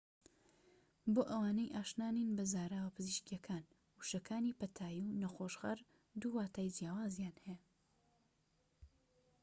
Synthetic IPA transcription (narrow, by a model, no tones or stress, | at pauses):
boːʔɐwaːnejʔaːʃnaːninbɐzaːɾaːwɐpʰɨziʃkijɐkʰaːn | wuʃɐkʰaːnipɐt̪ʰaːjiwnɐxoʃɣɐ̰ɾ | d̪uːwaːt̪ʰaːjd͡ʒjaːwaːzjaːnheja